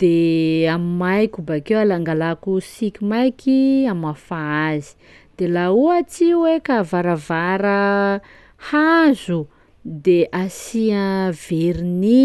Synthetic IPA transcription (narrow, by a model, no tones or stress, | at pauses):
d̪̥eamimajkʲubakewalaŋɡalakusikʲimajkiamafaazi̥ | d̪̥elauat͡siwekavaɾavaɾə | hazu | d̪eʔasiav̥eɾini